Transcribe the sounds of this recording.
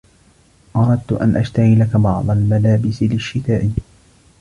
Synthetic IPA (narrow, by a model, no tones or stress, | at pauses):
ʔɑɾˤɑd̪̚t̪ʊʔa̰nʔaʃt̪aɣiːlakabɑʕd̪ˤɑlmalaːbɪsɪlɪʃːɪt̪aːʔɪ